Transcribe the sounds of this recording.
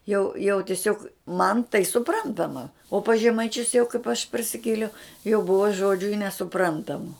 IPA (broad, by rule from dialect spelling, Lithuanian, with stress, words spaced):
jɛʊ jɛʊ tʲɪˈsʲoːk ˈmɐn tɐɪ sʊˈprɐntɐmɐ oː pɐs ʒʲɛmɐɪˈt͡ʃʲʊs jɛʊ kɐɪp ɐʃ pɐrʲsʲɪˈkʲeːlʲɛʊ jɛʊ ˈbʊʋɐ ˈʒoːd͡ʒʲʊ ɪ nʲɛsʊˈprɐntɐmʊ